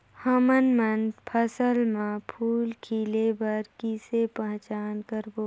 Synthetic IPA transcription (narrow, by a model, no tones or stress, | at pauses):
həmənmənpʰəsəlmãpʰuːlkʰiːlebəɾkisepə̃ɦt͡ʃaːnkəɾboː